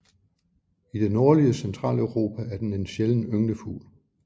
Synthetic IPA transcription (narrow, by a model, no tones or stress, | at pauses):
id̥e̝no̝ɐliəsent͡sʰʁɑ̰̈ːlœʊʁo̝ːpʰææɐd̥ene̝nɕeln̩øŋnəfṵːl